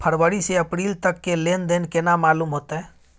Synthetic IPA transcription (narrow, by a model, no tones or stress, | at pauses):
pʰəɾʋəɾiseəpɾiːlt̪əkːeleːnd̪eːnkenamaːluːmɦoːt̪aɦɛ